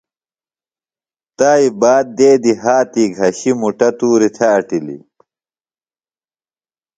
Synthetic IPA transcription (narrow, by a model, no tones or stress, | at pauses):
t̪aːibaːd̪̚ːeːd̪iɦaːt̪iɡʱɐɕimuʈɐt̪uːɾit̪ʰɐːʈilḭ